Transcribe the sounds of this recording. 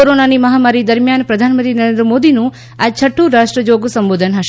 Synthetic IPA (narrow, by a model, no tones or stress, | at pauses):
oɾonanimɐɦamaɾid̪əɾmjanpɾɐd̪ʱanmə̃nt̪ɾinəɾend̪ɾəmod̪inũ | at͡ʃʰəʈʰːũɾaʂʈɾəd͡ʒoɡsəmʋoːd̪ʱənɦɐʃ